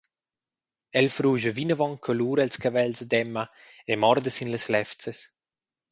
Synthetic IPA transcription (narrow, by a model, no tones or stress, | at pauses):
ɛlfɾuːʒəvinəvɔŋkʰɔluːɾalskavɛlsd̪ɛmːa | emɔɾd̪əsinleslɛft͡ses